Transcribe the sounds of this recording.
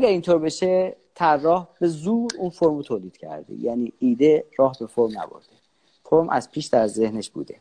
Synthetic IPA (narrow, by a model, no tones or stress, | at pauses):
ʔæɡʲæɾiːnt̪ʰoːɾbeʃet̪ʰærːɒːhb̥e̞zuːɾuːnfo̞ɾmɾot̪ʰoːliːd̪̥cʰæ̰ɾd̪ḛjæniːiːd̪eɾɒːɦbe̞fo̞ɾmnæ̰bo̰ɾd̪̥e | foɾmʔæ̰z̥pʰiːʃd̪æɾze̞hneʃb̥ṵːd̪ḛ